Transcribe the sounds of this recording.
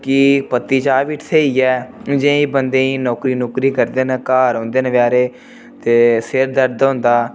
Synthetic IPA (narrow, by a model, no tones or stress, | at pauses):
kɪpət̪ːiːt͡ʃaːʋɪʈʰt̪ʰeːiːɛːd͡ʒẽiːbənd̪ẽːiːnɔːkɾiːnoːkɾiːkəɾd̪eːnəkaːɾõːnd̪eːnəʋjaːɾeː | t̪eːsɪɾd̪əɾd̪ɦʊ̃ːnd̪aː